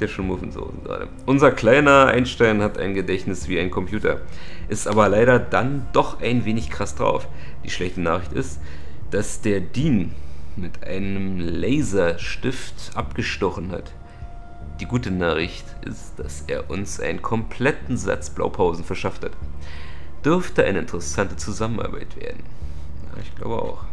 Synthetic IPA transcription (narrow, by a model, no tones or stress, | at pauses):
d̥eːɐʃoːnmʊvnzo̰ʊzn̩ɡ̥ʁa̰ːdə̰ʔʊnzɐkl̥aɪnɐʔa̰ɪnʃtaɪnhata̰ɪnɡədɛçnɪsv̥iːaɪnkʰɔmpʰj̥uːtʰɐ̰ʔɪstʔaːbɐlaɪɾɐdand̥ɔχʔaɪnveːnɪçkʁ̥asd̥ʁa̰ʊf | d̥iːʃlɛçtənaːχɪçtɪ̰st | d̥asd̥eːɐdiːnmɪtʔa̰ɪnəmlɛɪzɐʃtɪftʔapɡ̥əʃtɔχn̩ha̰t | d̥iːɡuːtənaːχɪçtʔɪ̰std̥a̰sʔḛːɐʔʊnsʔa̰ɪnənkʰɔmpʰl̥ɛtn̩za̰t͡sb̥la̰ʊpʰaʊzn̩fɛɐʃafthat | d̥ʏʁɐftəʔa̰ɪnəɪntəʁəsantət͡suzamənʔa̰ɐba̰ɪtv̥ḛːɐdn̩ | ja̰ːɪçɡ̥la̰ʊbəʔa̰ʊx